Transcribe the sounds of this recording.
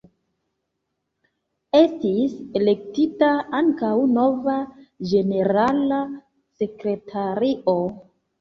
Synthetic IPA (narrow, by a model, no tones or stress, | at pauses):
e̞stise̞le̞k̚titaaŋkawno̞vad͡ʒe̞ne̞ɾala | se̞kɾe̞tʰaɾio